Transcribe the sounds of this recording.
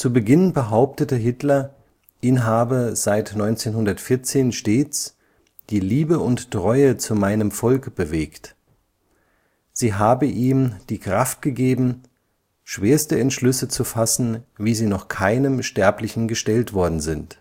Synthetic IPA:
t͡subəɡɪnbəɦaʊp̚tətəɦɪtlɐ | ʔɪnɦaːbəz̥aɪtnɔʏnt͡seːnɦʊndɐtfɪɐt͡seːnʃteːt͡s | d̥iːliːbəʊnttʁ̥ɔʏət͡sumaɪnəmfɔlkb̥əveːkt | z̥iːɦaːbəʔiːmd̥iːkʁ̥aft̚ɡ̥əɡeːbm̩ | ʃv̥eːɐstəɛntʃlʏsət͡sufasn̩viːziːnɔχkʰaɪnəmʃtɛɐplɪçn̩ɡəʃtɛltv̥ɔɐdn̩zɪnt

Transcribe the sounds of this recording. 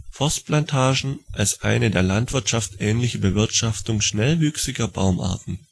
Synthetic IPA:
fɔst̚plantʰaːʒn̩ʔalsʔa̰ɪnədeːɐlantv̥ɪɐtʃaftʔɛːnlɪçəbəvɪɐtʃaftʊŋʃnɛlvyːksɪɡɐba̰ʊmʔa̰ɐtn̩

